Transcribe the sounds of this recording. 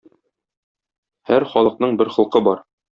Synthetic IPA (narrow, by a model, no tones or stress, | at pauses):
hæɾχɒlˠɤ̆q̚nɤɴbɘɾχɤ̆lˠqɤbɒɾ